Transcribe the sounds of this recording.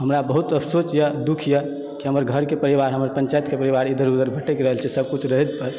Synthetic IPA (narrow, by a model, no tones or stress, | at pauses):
ɦəmɾabəɦut̪əpsot͡ʃjəd̪ukʰjə | kiɦəməɾɡʱəɾkepəɾiʋaɾɦəməɾpə̃nt͡ʃaet̪kepəɾiʋaɾid̪ʱəɾud̪əɾbʱəʈekɾəɦəlt͡ʃʰɛsəb̚kut͡ʃʰɾəɦət̪pəɾ